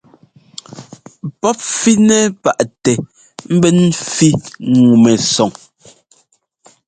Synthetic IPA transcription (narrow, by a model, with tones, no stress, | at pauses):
pɔ˦p̚fi˦nɛ˦pa˨ʔtɛ˨ | m̩˦bɛ˦n̩˦fi˦ŋu˨mɛ˨sɔ˨ŋ